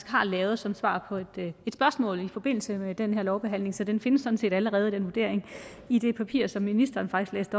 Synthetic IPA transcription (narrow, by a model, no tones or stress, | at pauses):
sɡ̥hɑ̈lɛːʊð̞̩ˠsɒ̽msʋɑ̰̈ːpʰɒ̽ed̥ed̥sb̥ɶɐsmɔ̰̽ːlifɒ̽b̥e̝n̰l̩səmed̥enheɐ̰lɒʊb̥e̝ɦæn̰le̝ŋsɒ̽d̥enfe̝nəsːɒ̽d̥n̩se̝̰ːd̥æləʁɛːð̞̩ˠd̥enʋuɐde̝̰ɐ̰eŋ | id̥e̝pʰæpʰḭɐsɒ̽mːinisd̥ɐːn̩fɡ̥d̥isɡ̥lḛːsd̥ɒ̽